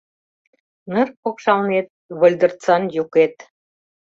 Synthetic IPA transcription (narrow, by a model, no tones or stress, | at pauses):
nərpokʃɑlnet̪̚βə̆lʲd̪ə̆rt͡sɑnjuket̪